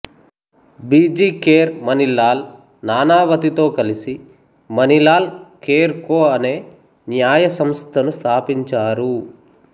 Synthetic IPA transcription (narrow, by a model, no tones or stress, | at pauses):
biːd͡ʒiːkeːɾmɐnilaːl | naːnaːʋɐt̪it̪o̞ːkɐlisi | mɐnilaːlkeːɾkoːɐne̞ː | njaːjɐsɐmst̪ʰɐnust̪ʰaːpiɲt͡ʃaːɾu